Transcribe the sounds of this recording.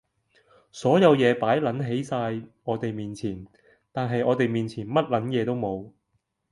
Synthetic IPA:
sɔː˨˥jɐ˨˧wjɛː˨˧paː˨˥jlɐ˨˥nɦe˨˥jsaː˧jŋɔː˨˧t̪e˨jmiː˨nt͡sʰiː˨˩n | t̪aː˨nɦɐ˨jʔɔː˨˧t̪e˨jmiː˨nt͡sʰiː˨˩nmɐ˥t̚lɐ˨˥njɛː˨˧t̪o˥wmo˨˧w

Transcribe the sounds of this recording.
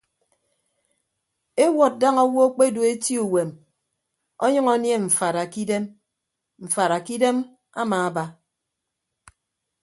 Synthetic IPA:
e˦wɔ˨t̚da˦ŋɔ˦wo˦k͡pe˦˨du˨e˦ti˦u˨we˨m | ɔ˦ɲɨ˦ŋɔ˦nje˦ɱ̩˨fa˨ɾa˨ki˦de˦m | m̩˨fa˨ɾa˨ki˦de˦m | a˦maː˨a˦ba˦

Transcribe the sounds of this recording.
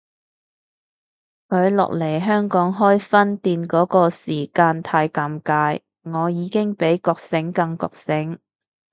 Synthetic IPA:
kʰɵ˨˧ɥlɔ̰˨k̚le˨˩jɦœː˥ŋkɔː˨˥ŋɦɔː˥jfɐ˥nt̪iː˧nkɔː˨˥kɔː˧siː˨˩kaː˧nt̪ʰaː˧jka˧mkaː˧j | ŋɔː˨˧jiː˨˧kɪ˥ŋpe˨˥jkɔː˧k̚sɪ˨˥ŋkɐ˧ŋkɔ̰ː˧k̚sɪ˨˥ŋ

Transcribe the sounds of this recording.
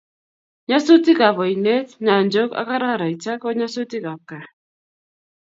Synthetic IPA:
ɲa˦so˦ti˦ka˨βɔ˨i˨ne˦tɲa˨nd͡ʒo˦ka̰˦ka˦ɾa˦˨ɾa˨i˨t͡ʃa˦kɔ˦ɲa˦so˦ti˦ka˨ka˨

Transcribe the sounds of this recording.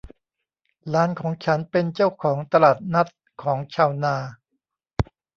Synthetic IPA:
ɾaː˦˥nkʰɔː˩˦ŋt͡ɕʰa˦˥npe˧nt͡ɕa˥˩wkʰɔː˩˦ŋt̪a˧laː˨˩t̪̚na˦˥t̪̚ | kʰɔː˩˦ŋt͡ɕʰaː˧˩wnaː˧

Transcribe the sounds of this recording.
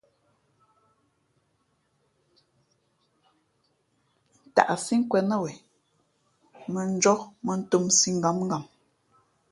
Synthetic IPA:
n̩˨ta̰˨ʔsi˦ŋ˦kwɛ˨nə˦˨wɛ˨ | mə˨n̩˦d͡ʒɔ˦mə˨n̩˦tu˦˨msi˦ŋ˨ɡa˨˦mŋɡa˨m

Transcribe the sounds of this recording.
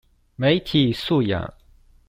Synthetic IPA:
me˧˥ɪt̪ʰi˨˩su˥˩ja̰˨˩˦

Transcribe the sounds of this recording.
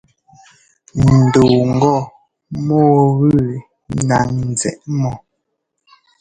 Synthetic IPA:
nn̩˨do˨ŋ˨ɡɔ˦˨ | mɔː˦˨βʉ˦˨ | na˨ŋn˨zɛ̰˨ʔmɔ˨

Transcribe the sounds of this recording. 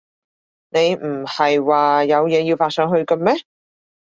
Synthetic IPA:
ne˨˧jm̩˨˩hɐ˨jwaː˨jɐ˨˧wjɛː˨˧jiː˧wfaː˧tsœː˨˧ŋɦɵ˧ɥkɐ˧mɛ˥

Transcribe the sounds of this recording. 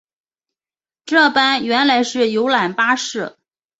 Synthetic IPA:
ʈ͡ʂɤ˥˩pa˥nɥɛ˧˥nla˧˥ɪʂɻ̩˥˩jo˧˥ʊla˨˩npa˥ʂɻ̩˥˩

